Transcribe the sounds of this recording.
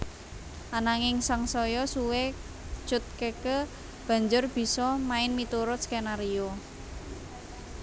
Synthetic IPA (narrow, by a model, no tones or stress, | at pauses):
ʔanaŋɪŋsaŋsɔjɔsuwe̥ | ʒ̥ʊ̤t̪̚kekə | b̥ä̤ɲd͡ʒʊrb̥i̤sɔmaɪnmit̪uɾʊskenaɾio